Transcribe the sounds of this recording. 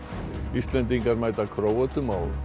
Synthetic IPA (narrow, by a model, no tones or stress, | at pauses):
ist̪lɛnt̪̬iŋkaɾmaːjt̪akʰɾoːwat̪ʏmaw